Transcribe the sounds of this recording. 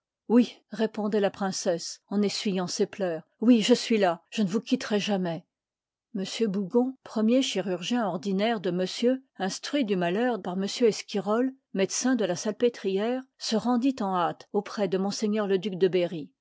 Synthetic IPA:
wiʁepɔ̃d̪ɛlapχɛ̃sɛsɑ̃nesɥijɑ̃seplœːʁwiʒəsɥilaʒ̥ənəvukʲit̪ʁɛʒamɛ | məsjøbuɡɔ̃pχəmjeʃiʁyʁʒjɛ̃ɔʁd̪inɛʁd̪əməsjøɛ̃st̪χɥid̪ymalœʁpaʁməsjøɛskʲiʁɔl | mɛd̪sɛ̃d̪əlasalpet̪χijɛʁsəʁɑ̃d̪it̪ɑ̃at̪opχɛd̪əmɔ̃seɲœʁləd̪yk̚d̪əbeʁi

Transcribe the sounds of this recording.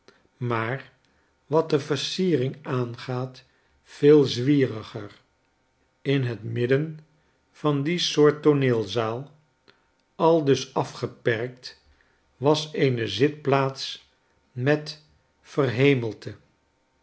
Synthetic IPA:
maːɹ | ʋɑt̚dəvəɹsiːrɪŋaːnχaːt | fɪːlˠzʋiːrəχər | ɪnɦətmɪdən | v̥ɑndisʊːɹtoneːlˠzaːlˠ | ɑlˠdɵsɑfχəpɛrk̚t | ʋɑsejnəzɪt̚plaːts | mɛt | fərɦejməlˠtʰə

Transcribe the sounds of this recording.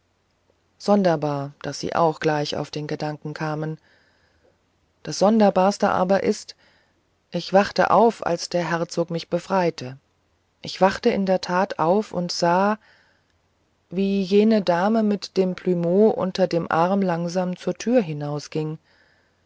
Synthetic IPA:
z̥ɔndɐbaːɐd̥asz̥ḭːʔa̰ʊxɡ̥laɪça̰ʊfd̥eːnɡədaŋkŋ̩kʰaːmən | d̥asz̥ɔndɐbaːɐstə̰ʔa̰ːbɐʔɪst | ʔɪçv̥aχtə̰ʔa̰ʊfa̰lsd̥eːɐɦɛɐt͡soːkmɪçb̥əfʁ̥aɪtʰə | ʔɪçv̥aχtəʔɪndeːɐtʰaːtaʊfʊ̰ntz̥aː | viːjeːnədaːməmɪtd̥eːmpʰlymoːʔʊ̰ntɐdeːmʔaɐmlaŋzaːmt͡suːɐtʰyːɐɦɪnaʊsɡ̥ɪŋ

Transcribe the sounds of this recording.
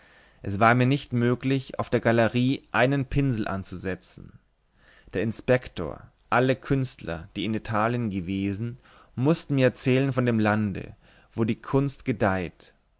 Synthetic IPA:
ʔɛsv̥aːɐmiːɐnɪçtmøːklɪça̰ʊfd̥eːɐɡaləʁiːʔaɪnənpʰɪnzl̩ʔa̰nt͡suzɛt͡sn̩ | d̥eːɐɪnspɛktʰo̰ːɐ | ʔaləkʰʏnstlɐ̰d̥iːɪnitʰaːljənɡəveːzn̩ | mʊstn̩miːɐɛt͡sɛːlənfɔndeːmlandə̰ | v̥oːdiːkʰʊnstɡ̥ədaɪt

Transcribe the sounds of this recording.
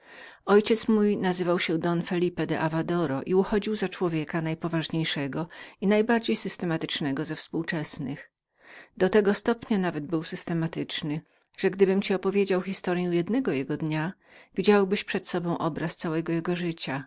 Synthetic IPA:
ɔjt͡ɕɛt̪smujnazɘvawɕɛd̪ɔnfɛlʲipɛd̪ɛ̰ʔavad̪ɔɾɔ̰ʔiuxɔd͡ʑiwzat͡ʂwɔvʲjekanajpɔvaʐɲejʂɛɡɔinajbaɾd͡ʑejsɘst̪ɛmat̪ɘt͡ʂnɛɡɔzɛfspuwt͡ʂɛsnɪx | d̪ɔt̪ɛɡɔst̪ɔpɲanavɛd̪̚bɘwsɘst̪ɛmat̪ɘt͡ʂnɘ | ʐ̥ɛɡd̪ɘbɘmt͡ɕiɔpɔvʲjed͡ʑawxʲist̪ɔɾjɛ̃w̃jɛd̪nɛɡɔjɛɡɔd̪ɲa | vʲid͡ʑawbɘɕpʂɛt̪sɔbɔ̃w̃ʔɔbɾast̪sawɛɡɔjɛɡɔʐɘt͡ɕa

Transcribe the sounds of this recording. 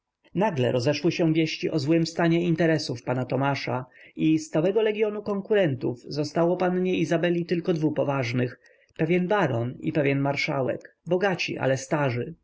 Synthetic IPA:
naɡlɛ̰ɾɔzɛʂwɘɕɛ̃vʲjeɕt͡ɕiʔɔzwɘmst̪aɲɛint̪ɛɾɛsufpanat̪ɔmaʂaist̪sawɛɡɔlɛɡʲjɔnukɔŋkuɾɛnt̪uvzɔst̪awɔpanɲɛizabɛlʲit̪ɘlkɔd̪vupɔvaʐnɘx | pɛvʲjɛnbaɾɔnḭpɛvʲjɛnmaɾʂawɛ̰k | bɔɡat͡ɕḭʔa̰lɛst̪aʐɘ

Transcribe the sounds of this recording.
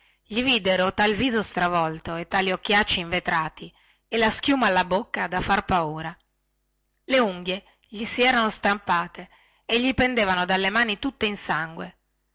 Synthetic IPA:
ʎivid̪eɾot̪alviːzost̪ɾavɔlt̪oet̪ːaːliokːjat͡ʃːiɱvet̪ɾaːt̪i | elask̟juːmaːlːabokːad̪afarpauːɾa | leuŋɡje | ʎisiɛːɾanost̪ampaːt̪e | eʎːipend̪eːvanod̪alːemaːnit̪ut̪ːeinsaŋɡwe

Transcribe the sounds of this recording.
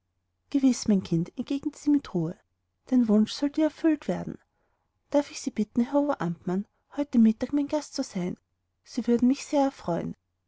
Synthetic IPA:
ɡ̥əvɪsmaɪnkʰɪntɛnɡ̥eːɡnətsiːmɪtʁuːə | d̥anvʊnʃsɔldiːɐɛɐfʏltv̥eːɐdn̩ | d̥aɐfɪçsiːb̥ɪtn̩ɦɛɐoɐʔamtman | hɔʏtəmɪtaːkmaɪnɡastt͡suzaɪn | siːvʏɐdn̩mɪçseːɐɛɐfʁ̥ɔʏən

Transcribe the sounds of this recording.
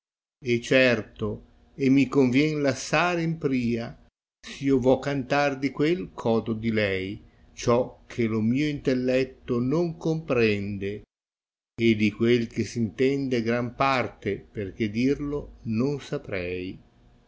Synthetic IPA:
et͡ʃːɛrt̪o | emːikoɱvjɛnlasːaːɾeimpɾiːa | siovɔkːant̪ard̪ikwelkʰɔːd̪od̪ilɛj | t͡ʃɔk̟ʰːelomiːoint̪elːɛt̪ːonoŋkompɾɛnd̪eː | d̪ikwelk̟esint̪ɛnd̪eɡɾampart̪eperk̟ed̪irlononsapɾɛj

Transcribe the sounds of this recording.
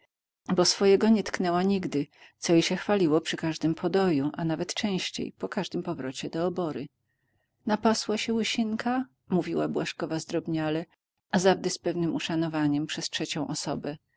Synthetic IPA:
bɔsfɔjɛɡɔɲɛt̪knɛwaɲiɡd̪ɘt̪sɔjiɕɛxfalʲiwɔpʂɘkaʐd̪ɘmpʰɔd̪ɔjuʔanavɛt̪t͡ʂɛ̃w̃ɕt͡ɕḛjpɔkaʐd̪ɘmpɔvɾɔt͡ɕɛd̪ɔːbɔɾɘ | napaswaɕɛwɘɕiŋkʰa | muvʲiwabwaʂkɔvazd̪ɾɔbɲalɛ | azavd̪ɛspɛvnɘmuʂanɔvaɲɛmpʂɛstʂɛt͡ɕɔ̃w̃ʔɔsɔ̰bɛ

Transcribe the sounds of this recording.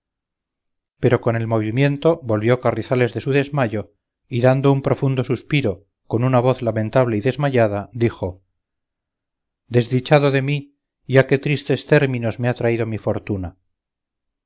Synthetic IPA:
pe̞ɾo̞ko̞ne̞lmo̞β̞imje̞nt̪o̞bo̞lβjokariθale̞zðe̞suðe̞zmaʝo̞ | iðand̪o̞umpɾo̞fund̪o̞suspiɾo̞ | ko̞nunaβ̞o̞θlamẽ̞nt̪aβle̞iðe̞zmaʎaðad̪ixo̞ | d̪e̞zðit͡ʃaðoðe̞mi | jake̞t̪ɾist̪e̞st̪eɾmino̞zme̞at̪ɾaið̞o̞mifo̞ɾt̪una

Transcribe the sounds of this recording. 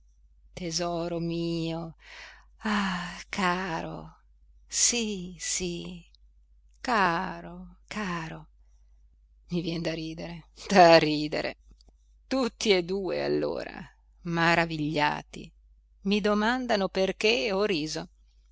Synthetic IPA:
t̪ezɔːɾomiːo | akʰaːɾo̰ | sisi | kaːɾokʰaːɾo | mivjɛnd̪aɾiːd̪eɾed̪̥ariːd̪ḛɾʔḛ | t̪ut̪ːied̪uːḛa̰lːo̰ːɾa̰ | maɾaviʎːa̰ːt̪ḭ | mid̪omand̪anoperkeoɾiːzo

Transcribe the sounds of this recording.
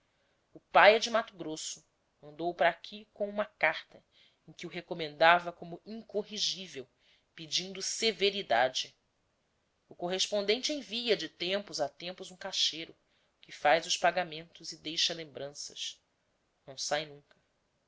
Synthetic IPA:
ʊpajɛd͡ʒɪmat̪ʊɡɾosʊ | mɐ̃nd̪owpɾaːkʲʰikõũmɐkaɾt̪ɐ | ẽj̃kɪʊɦekomẽnd̪avɐkõmʊĩŋkoɦiʒivew | pid͡ʒĩnd̪ʊseveɾid̪a̰d͡ʒɪ | ʊkoɦeʃpõnd̪ẽnt͡ʃɪẽviɐd͡ʒɪt̪ẽmpʊzat̪ẽmpʊzũkaʃejɾʊ | kɪfajzʊʃpaɡamẽnt̪ʊzɪd̪ejʃɐlẽmbɾɐ̃sɐʃ | nɐ̃w̃sajnũŋkɐ

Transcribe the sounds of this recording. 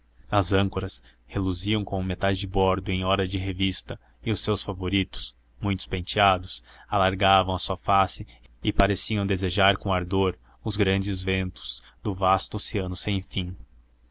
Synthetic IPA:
ɐzɐ̃ŋkoɾɐs | heluziɐ̃w̃kõʊmet̪ajzd͡ʒɪbɔɾd̪ʊẽj̃ɔɾɐd͡ʒɪɦevist̪ɐ | ɪʊsewsfavoɾit̪ʊ̥s | mũj̃t̪ʊ̥spẽnt͡ʃiad̪ʊsalaɾɡavɐ̃w̃ɐsuɐfasɪɪpaɾesiɐ̃w̃d̪ezeʒaɾkõaɾd̪oɾ | ʊzɡɾɐ̃d͡ʒɪzvẽnt̪ʊ̥z̥d̪ʊvast̪ʊoseɐ̃nʊsẽj̃fĩ

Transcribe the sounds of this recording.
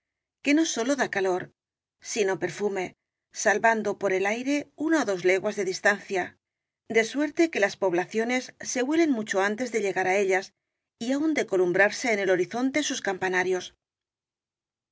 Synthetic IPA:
ke̞no̞so̞lo̞ðakalo̞ɾ | sino̞pe̞ɾfume̞ | salβand̪o̞po̞ɾe̞lajɾe̞unaoðo̞zle̞ɣwazðe̞ðist̪an̟θja | d̪e̞swe̞ɾt̪e̞ke̞laspo̞β̞laθjo̞ne̞sːe̞βwe̞le̞nmut͡ʃo̞ant̪e̞zðe̞ʎe̞ɣaɾae̞ʎas | iaund̪e̞ko̞lumbɾaɾse̞ːne̞lo̞ɾiθo̞nt̪e̞suskampanaɾjo̞s

